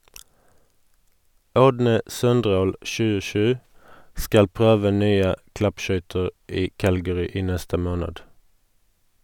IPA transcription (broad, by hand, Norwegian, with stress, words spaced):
ˈɔdnə ˈsœnˌdʁoːl ʃʉːəˈʃʉː ˈskɑl ˈpʁøːʋə ˈnyːə ˈklɑpˌʃœʏtəʁ ˈiː ˈkælɡəʁʏ ˈiː ˈnɛstə ˈmoːnəd